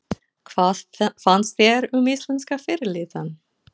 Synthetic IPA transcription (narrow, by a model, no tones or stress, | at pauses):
kʰvaːðfanst̪θjɛɾʏmɪst̪lɛnskafɪɾɪlɪːt̪an